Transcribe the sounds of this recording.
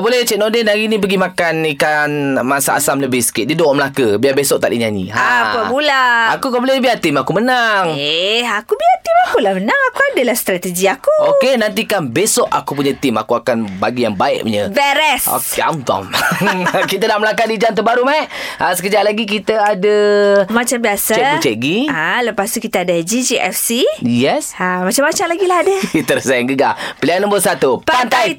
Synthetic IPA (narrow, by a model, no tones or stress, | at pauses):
bolɛt͡ʃɛʔ̚nodenaɡinĩp̬əɡimakanikanmasaa̰samləbɪhsə̥kɪʔ̪̚didoʔʔməlakəbiabesɔʔ̚t̪a̰ʔdḭɲaɲḭaapəbulaakukabolɛbiat̪ɪmakumənaŋeakubiat̪imakulamənãŋakuadəlahst̪ɾat̪əd͡ʒiakuokenant̪ikanbesɔʔa̰kup̬uɲat̪ɪma̰kuakanbaɡijaŋbaɪ̰ʔṵɲəbɛɾɛso̰ka̰mt̪a̰m | kit̪ənaʔməlaŋkaʔ̚did͡ʒant̪̬əbaɾumaɪʔʔasəkəd͡ʒaʔlaɡik̬it̪əadəmat͡ʃambiasaɛt͡ʃɛʔɡialəpast̪ukit̪aadəd͡ʒid͡ʒiʔɛ̰fsijɛsamat͡ʃamːat͡ʃamlaɡilahadəit̪əɾsaŋɡəɡapəlianə̃mbəsat̪upant̪aj